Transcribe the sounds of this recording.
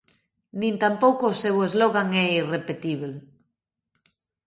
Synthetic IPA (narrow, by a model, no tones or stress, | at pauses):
nĩnt̪ampowkoːsewezloɣaŋɛirepet̪iβel